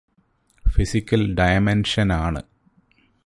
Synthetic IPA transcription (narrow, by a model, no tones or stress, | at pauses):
fisikʲːɐlɖɐjɐmenʂɐnaːɳɨ̰